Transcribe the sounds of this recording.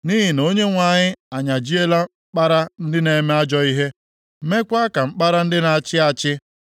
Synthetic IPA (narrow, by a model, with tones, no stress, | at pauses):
ni˦ɦi˨no˦ɲe˦ŋʷa˨ɲɪ˦a˨ɲa˨d͡ʒi˦e˦la˦m̩˦k͡pa˦ɾa˦n̩˦dɪ˦ne˨˦me˦a˦d͡ʒɔ˦i˦ɦe˦ | me˦kʷa˦ka˨ŋ͡m̩˦k͡pa˦ɾa˦n̩˦dɪ˦na˨t͡ʃɪ˦a˨t͡ʃɪ˦